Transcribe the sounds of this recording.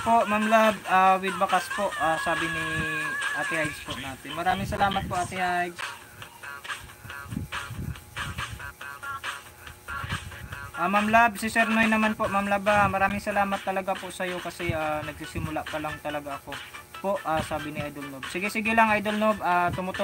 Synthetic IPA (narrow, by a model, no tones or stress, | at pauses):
poʔmamlab̚aːwɪd̪̚bɐkaspoʔaːsaːbɪnɪʔaːt̪ɪhajɡspoʔnaːt̪ɪnmɐɾaːmɪŋsɐlaːmɐt̪̚poʔaːt̪ɪhajɡs | ʔaːmamlab̚sɪsɛɾnojnɐmanpoʔmamlabamɐɾaːmɪŋsɐlaːmɐt̪ːɐlɐɡapoʔsɐjo̞kɐsɛʔaːnɐɡ̚sisɪmʊlaʔpɐlaŋt̪ɐlɐɡaʔɐko̞ | poʔaːsaːbɪnɪʔajd̪olnob̚sɪɡɪsɪɡɪlaŋʔajd̪olnobaːt̪ʊmʊt̪o